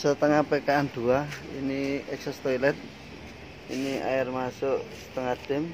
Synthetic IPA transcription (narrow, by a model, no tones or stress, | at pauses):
sət̪əŋapɛkaːnd̪̥uaḭniɛksast̪ɔjlɛt̪̚ | inia̰jɪrmasʊʔsə̥t̪əŋad̪̥ɪ̤m